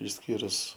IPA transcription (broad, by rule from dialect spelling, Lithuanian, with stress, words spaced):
ɪʃʲˈsʲkʲiːrʊs